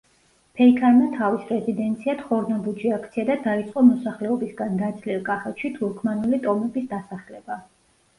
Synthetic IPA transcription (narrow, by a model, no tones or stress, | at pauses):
pʰɛikʰanmat̪ʰavisɾɛzid̪ɛnt̪sʰiat̪χɔɾnɔbud͡ʒiakʰt̪sʰiad̪ad̪ait̪sʼqʼɔmɔsaχlɛɔbisɡand̪at̪sʰliɾkʼaχɛt̪ʰʃit̪ʰuɾkʰmanulit̪ʼɔmɛbisd̪asaχlɛba